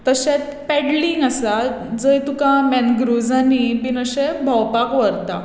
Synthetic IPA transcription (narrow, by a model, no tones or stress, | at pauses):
t̪əɕẽt̪ | pɛɖliŋɡasa | d͡zəjt̪ukãmɛnɡɾud͡zanibinəɕebʱawpakʋəɾt̪a̰